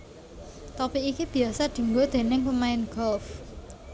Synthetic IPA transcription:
t̪ɔpiikib̥i̤asaɖ̪̥i̤ŋɡod̪̥e̤nɪŋpəmaɪnɡ̥ɔlf

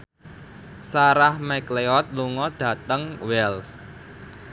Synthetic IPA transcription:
saɾahmɛkleɔt̪̚luŋɔɖ̥ä̤t̪əŋwɛls

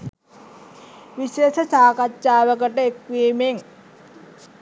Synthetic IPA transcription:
ʋiʃeːsət͡ʃaːkat͡ʃːaːʋəkəʈəekʋiːmeŋ

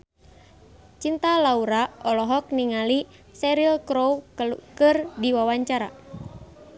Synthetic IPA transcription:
t͡ʃint̪alauɾaʔɔlɔɦɔk̚niŋali | sɛɾilkɾowkɨrdiwawaɲt͡ʃaɾa̰

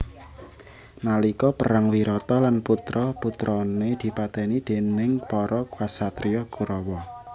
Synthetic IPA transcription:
nalikɔpəɾaŋwiɾɔt̪ɔlanput̪ɾɔput̪ɾɔned̪̥i̤pat̪ɛnid̪̥e̤nɪŋpɔɾʔɔkwasat̪ɾiɔkuɾɔwɔ

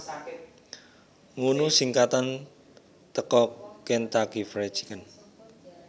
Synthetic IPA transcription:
ŋunusiŋkat̪an | t̪əkɔkɛnt̪akifɾe̥t͡ʃi̥kən

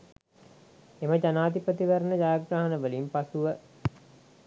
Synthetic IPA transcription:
eməd͡ʒanaːt̪ipət̪iʋəɾənəd͡ʒaːaɡɾaɦɐnəʋəlimpasuʋə

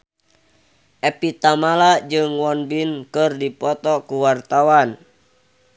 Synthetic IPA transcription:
ʔɛpit̪amalad͡ʒɨŋwɔnbinkɨrdipɔt̪ɔkuwart̪awan

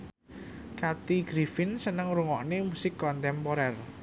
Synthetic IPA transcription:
kat̪iɡ̥ɾifɪnsənəŋɾuŋɔʔnemusɪkːɔnt̪ɛmpoɾɛr

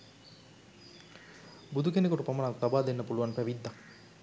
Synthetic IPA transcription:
bud̪ukenekoʈupamənakt̪abaːd̪enːəpuluʋanpæʋid̪ːaŋ

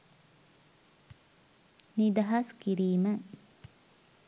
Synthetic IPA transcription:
nid̪ɐɦɐskiɾiːmə

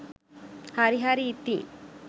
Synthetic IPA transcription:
haɾiɦaɾiːt̪ːi

